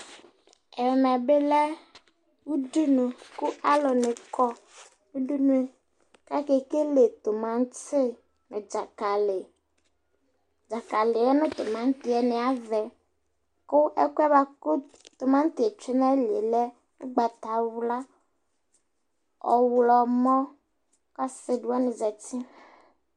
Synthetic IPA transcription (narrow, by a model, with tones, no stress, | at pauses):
ɛ˨ɾmɛ˨be˦lɛ˦ | wu˦du˦nu˨kʊ˦a˦lɔ˨nɪ˨kɔ˦ | u˦du˦nu˦e˨ | ka˦ke˨ke˦le˨t̪ʊ˨mã˦ŋ˦t͡sɪ˦ | nʊ˨d͡ʒa˨ka˨lɪ˨ | d͡ʒa˨ka˨lɪ˨ɛ˦nʊ̃˦t̪ʊ˨mã˨ŋ˦t̪ɪ˨ɛ˨nɪ˨a˦vɛ˨ | kʊ˦ɛ˦ku˦ɛ˦βa˨kʊ˦ | t̪ʊ˨mã˦n˦t̪ɪ˨e˨t͡ʃe˦na˦lḛ˨lɛ˦ | ʊ˦ɡ͡ba˨t̪a˨wla˦ | ɔ̰˨wlɔ˨mɔ̃˦ | ka˦sɪ˨du˦a˦nɪ˨zɛ˨tɪ˦